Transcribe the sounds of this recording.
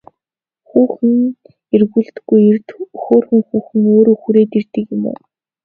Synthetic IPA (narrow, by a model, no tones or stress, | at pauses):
xuːxɘ̆n | erɣuːɮt̪̆ɡujrt̪xoːrxɘ̆ŋxuːxɘ̆ŋoːɾoːxuɾeːt̪ert̪ɘ̆kjʊmṵː